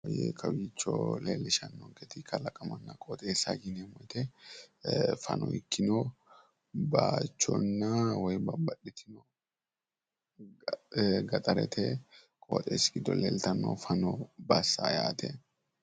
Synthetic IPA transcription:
ɔjḛkʰɐbiːt͡ʃːɔ̰leːlːɪʃɐnːɔɡɛt̪ɪkʰɐlɐkʼɐmɐnːɐkʼoːt̪ʼeːsɐ̰ɡɪnɛmɔjt̪ɛ | fɐ̰nʔɔɪkʰːɪnɔ | baːt͡ʃːɔnːɐwɔjbɐbɐɗɪt̪ʰɪnɔ | ɡɐt̪ʼɐɾɛt̪ʰɛ | kʼo̰ːt̪ʼeːsɡɪd̪ɔleːlt̪ɐnːɔ̰fɐnɔbɐsːajaːt̪ʰɛ

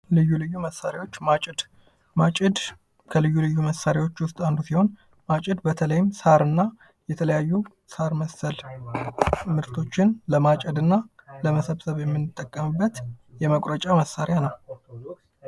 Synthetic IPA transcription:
lɨjːulɨjːuməsːaɾewo̞t͡ʃːmat͡ʃʼɪd̪ | mat͡ʃʼɪd̪ | kʰəlɨjːulɨjːuməsːaɾewo̞t͡ʃːwʊst̪ʼand̪usiho̞n | mat͡ʃʼɪd̪bət̪ʰələjɪmsaɾɨnːa | jɛt̪ʰələjajːu | saɾməsːəl | mɨɾt̪ʰo̞t͡ʃːɪnləmat͡ʃʼɪd̪ɨnːaləməsəβsəβjɛmːɨnːɨt̪ʼːəkʼːəmɨbːət̪jɛməkʼɾət͡ʃʼaməsaɾɪjanəw

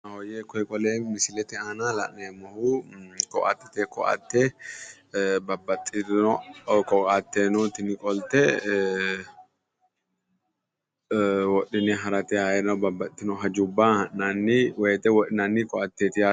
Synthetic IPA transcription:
nɐhɔjeːkɔjkʼɔleːmɪsɪlɛt̪ɛaːnaːlɐʔneːmɔhuːkɔ̰ʔɐ̰t̪ːɛ̥t̪ekɔ̰ʔɐ̰t̪ːe | bɐbːɐt̪ːɪɔkɔkat̪ːeːnɔːt̪ɪnkʼɔlt̪ɛ | wɔɗɪnɛɦɐɾɐt̪ɛaːɛnɐwbɐbːɐt̪ːɪnɔɦɐd͡ʒʊbːaːɐʔnanːiweːt̪ɛwɔᶑɪnanːikɔʔɐt̪ːeːt̪ɪjaː

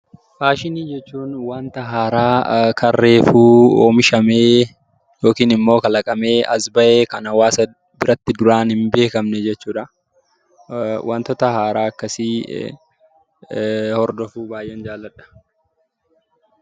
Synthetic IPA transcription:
faːʃɪniːd͡ʒɛt͡ʃːuːnwaːnt̪ɐɦaːɾaːkɐrːe̞ːfuːo̰ːmɪʃɐmeː | jo̞ːkiːnɪmːo̞ːkɐlɐkʼɐme̞ːʔɐsbɐʔeːkɐnɐwaːsɐ | bɪɾɐt̪ːɪd̪ʊɾaːnhɪmbe̞ːkɐmnɛd͡ʒɛt͡ʃːuːᶑɐ | wʔa̰ːnt̪ɔt̪ɐhaːɾaːɐkːɐsi | hɔɾd̪ɔfuːbaːjʔɛnd͡ʒaːlːɐᶑɐ̥

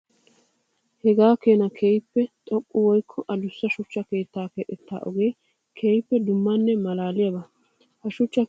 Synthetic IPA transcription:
hɛɡaːkeːnɐkʰeːjpːɛt̪ʼɔkʼːʊwɔjkʰːɔʔɐd̪ʊsːɐʃʊt͡ʃːɐke̞ːt̪ːaːkeʔɛt̪ʰːa̰ːʔɔɡeː | kʰeːjpːɛd̪ʊmːɐnːɛmɐlaːlɪjɐbɐ | hɐʃʊt͡ʃːɐ

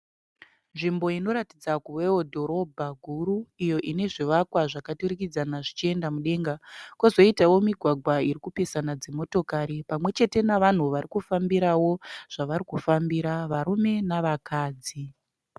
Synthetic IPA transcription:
nʐimbo̞ino̞ɾatid͡zakuwewodʱo̞ɾo̞bʱaɡʱuɾuijo̞ʔine̞ʐiʋakwaʐakatuɾikid͡zanaʐit͡ʃie̞ndamuɗe̞ŋɡakwozo̞itawo̞miɡʱwaɡʱwaiɾikupesanad͡ze̞mo̞to̞kaɾipamwe̞t͡ʃe̞te̞naʋan̤uʋaɾikufambiɾawo̞ʐ̥aʋaɾikufambiɾaʋaɾume̞naʋakaːd͡zi

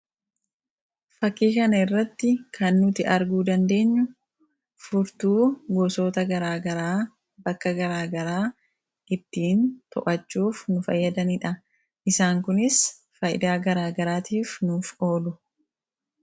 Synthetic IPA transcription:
fɐkːiːkɐnɐɪrːɐt̪ːɪkʰɐnːʊt̪ɪʔɐɾɡuːd̪ɐnd̪e̞ːɲːʊ | fʊɾt̪uːɡoso̞ːt̪ɐɡɐɾaːɡɐɾaː | bɐkːɐɡɐɾaːɡɐɾaː | ʔɪt̪ːiːnt̪ɔ̰ʔɐt͡ʃːuːfnʊfɐ̰jːɐd̪ɐnɪᶑɐ | ʔɪsaːŋkʊnɪs | fɐjɪ̰d̪aːɡɐɾaːɡɐɾaːt̪iːfnuːfo̞ːlʊ

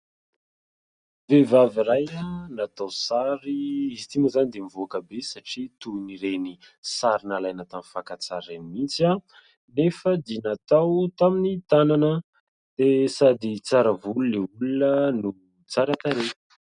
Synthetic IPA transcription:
vevaviɾajanat̪awsaɾiizit̪imuzanid̪emivoakəbesaʈ͡ʂit̪uniɾeni | saɾinalajnət̪amifakat͡saɾrenmit͡sa | nefəd̪inat̪awt̪aminit̪ananə | d̪̥esad̪it͡saɾəvuluneulunənu | t͡saɾat̪aɾe̥

